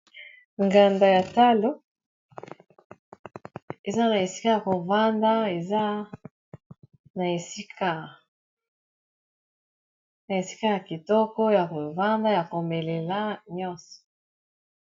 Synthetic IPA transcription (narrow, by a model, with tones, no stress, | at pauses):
ŋɡa˨nda˨ja˨ta˦lo˦ | e˨za˦na˨e˨si̥˦ka˦ja˨ko˨va˦nda˦e˨za˦ | na˨e˨si˦ka˦ | na˨e˨si̥˦ka˦ja˨ki˨tɔ˦kɔ˦ja˨ko˨va˦nda˦ja˨ko˨me˨le˨la˦ɲɔ˦nsɔ̥˨